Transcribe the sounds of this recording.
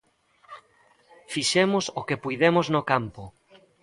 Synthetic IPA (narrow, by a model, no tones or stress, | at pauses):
fiʃemʊsokepujðemʊznokampʊ